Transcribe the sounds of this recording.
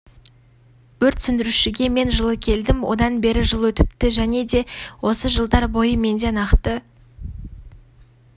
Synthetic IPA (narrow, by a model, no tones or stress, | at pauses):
wɵɾt̪sʏnd̪ɪɾuʃɪɡʲe̞me̞nʒəlˠəkʲʰe̞ld̪ɪmwo̞̰d̪ɑnbe̞ɾɪʒəlˠwɵt̪ɪ̥p̚t̪ɪʒæne̞d̪e̞wo̞səʒəlˠd̪ɑɾbo̞jəme̞nd̪e̞nɑqt̪ə